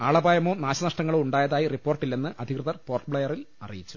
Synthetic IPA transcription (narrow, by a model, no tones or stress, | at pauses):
aːɭɐbaːjɐmoːnaːɕɐnɐʂʈɐŋːɐɭuɳɖaːjɐðaːjiripːoːrʈːilːenːɨʔɐd̪ʱikrɨðɐrpoːrʈbɭɐjɐril | ɐ̰rijit͡ɕːu̥